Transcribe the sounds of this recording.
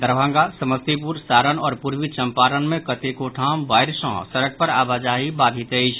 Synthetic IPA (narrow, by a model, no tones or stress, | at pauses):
d̪əɾbʱãːŋɡasɐməst̪ipuɾsaːɾənɔːɾpuɾʋit͡ʃɐ̃mpaːɾənmẽkət̪ekoːʈʰaːmʋaːɪɾʃɔ̰̃ːsɐɾək̚pɐɾaːbad͡ʒaːɦibaːd̪ʱit̪eːɪʃ